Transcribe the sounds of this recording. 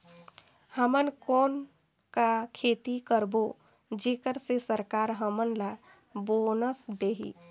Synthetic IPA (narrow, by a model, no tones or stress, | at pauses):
həmənkɔːn | kakʰeːt̪ikəɾbo | d͡ʒeːkəɾsesəɾkaːɾɦəmənla | bonəsd̪eːɦḭ